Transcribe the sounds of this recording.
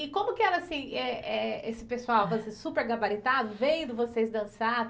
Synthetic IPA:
ɪkõmʊkɪɛɾɐasĩɛɛesɪ̥pesuawvosesupeɾɡabaɾit̪ad̪ʊvẽj̃d̪ʊvosezd̪ɐ̃sa

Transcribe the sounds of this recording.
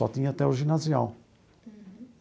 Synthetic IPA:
ɔ̰t̪ĩɲɐat̪ɛuʒinazia̰w

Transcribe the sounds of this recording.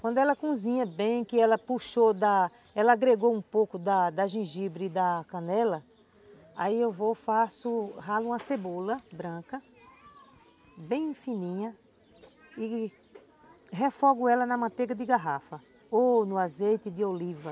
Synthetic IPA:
kwɐ̃nd̪ʊɛlɐkũzĩɲɐbẽj̃kɪɛlɐpuʃod̪ɐ | ɛlɐaɡɾeɡoũpowkʊd̪ɐd̪ɐʒĩʒibɾɪd̪ɐkɐ̃nɛlɐ | a̰iewvofasʊɦalũmɐsebolɐbɾɐ̃kɐ | bẽj̃ĩfĩnĩɲɐ | ɪ | ɦefɔɡʊɛlɐnɐmɐ̃t̪eɡɐd̪ɪɡaɦafɐ | onʊazejt̪ɪd̪ɪolivɐ

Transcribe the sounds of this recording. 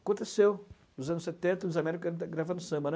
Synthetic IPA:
akõnt̪esew | nʊzɐ̃nʊset̪ẽnt̪ɐd̪ʊzamɛɾikuɐɡɾavɐ̃nd̪ʊsɐ̃bɐn

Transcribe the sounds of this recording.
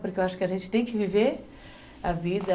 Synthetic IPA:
puɾkeewaʃʊ̥kɪɐʒẽnt͡ʃɪt̪ẽj̃kɪviveɾ | ɐvid̪ɐ

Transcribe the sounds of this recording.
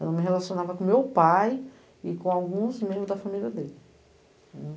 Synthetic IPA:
ɛ̰lɐmɪɦelasiõnavɐkõmewpaj | ɪkõawɡũzmẽbɾʊzd̪ɐfamilʲiɐd̪elɪ̃

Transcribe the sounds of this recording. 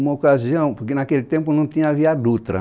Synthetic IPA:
ũmɐokaziɐ̃w̃poɾkenakelɪt̪ẽmpʊnɐ̃w̃t̪ĩɲɐviad̪ut̪ɾɐ̰

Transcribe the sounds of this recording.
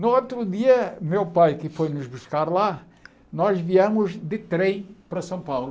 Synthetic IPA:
nuot̪ɾuðiɐmewpajkɨfojnuʒβuʃkaɾlˠa | nɔʒviɐmuʒd̪ɨt̪ɾẽj̃pɾɐsɐ̃w̃pawlˠu

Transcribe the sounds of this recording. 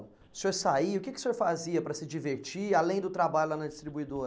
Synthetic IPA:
sioɾsaiʊkekɪʊ̥seoɾfaziɐpɾɐsɪd͡ʒiveɾt͡ʃialẽj̃d̪ʊt̪ɾabaʎʊlanɐd͡ʒist̪ɾibuid̪oɾɐ

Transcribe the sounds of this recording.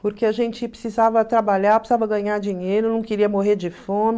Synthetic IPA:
poɾkeaʒẽnt͡ʃɪpɾɪsizavɐt̪ɾabaʎaɾpɾsiz̥avɐɡɐ̃ɲaɾd͡ʒiɲejɾʊnɐ̃w̃keɾiɐmoɦeɾd͡ʒɪfõmɪ

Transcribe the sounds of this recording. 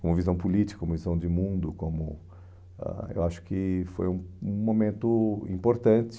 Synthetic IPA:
kõmʊvizɐ̃w̃pulit͡ʃɪ̥kɐkõmʊvizɐ̃w̃d͡ʒɪmũd̪ʊkõmʊ | a̰ḛwaʃʊ̥kɪfo̰jũũmomẽnt̪ʊḭ̃poɾt̪ɐ̃t͡ʃɪ̥

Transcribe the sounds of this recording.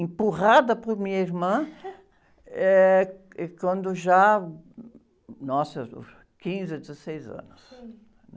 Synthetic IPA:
ẽmpuʁad̪ɐpʊɾmĩɲɐiɾmɐ̃ | ɛ | ɛkwɐ̃nd̪ʊʒa | nɔsɐ̰ | kĩzɪd̪ɪzɐsejzɐ̰̃nʊs | nɛ

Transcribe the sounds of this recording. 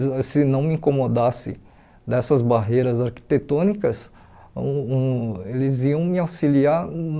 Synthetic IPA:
sɪnɐ̃w̃mĩkomod̪asɪ̰ | d̪ɛsɐzbaɦejɾɐzaɾki̥t̪et̪õnikɐs | elɪziɐ̃w̃mɪawsiliaɾn

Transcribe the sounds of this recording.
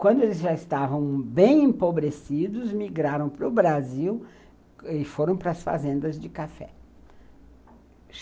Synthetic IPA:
kwɐ̃nd̪ʊelɪzʒaɪst̪avɐ̃w̃bẽj̃ẽpobɾesid̪ʊzmiɡɾaɾɐ̃w̃pɾʊbɾaziw | ɪfoɾɐ̃w̃pɾɐsfa̰zẽnd̪ɐzd͡ʒɪkafɛ̰

